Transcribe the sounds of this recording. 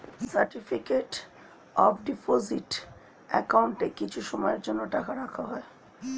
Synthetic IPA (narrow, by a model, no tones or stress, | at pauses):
saɾʈifʰikeʈ | ɔpɖipoziʈ | ɛkawɳʈekit͡ɕʰuʃɔmɔjeɾd͡ʑonːoʈakʰaɾakʰaɦɔe